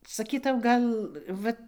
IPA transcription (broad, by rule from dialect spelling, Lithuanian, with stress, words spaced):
sɐˈkʲiːtɐʊ ˈɡɐlˠ ˈʋɐt